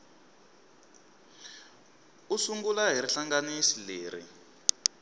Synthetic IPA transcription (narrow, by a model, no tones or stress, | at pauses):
usuŋɡulaɦiɾiɬaŋɡanisileːɾḭ